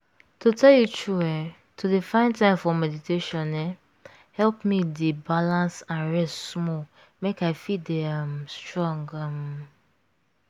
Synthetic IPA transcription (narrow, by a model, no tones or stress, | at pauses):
tʰotʰɛljut͡ʃuɛ | tʰodefãɪ̃ntãɪ̃mfɔmɛditʰeʃɔ̃nɛ | hɛlpmidebalãnsãnɹɛstsmɔ | mekaɪfideãmstɹɔ̃ŋɡãm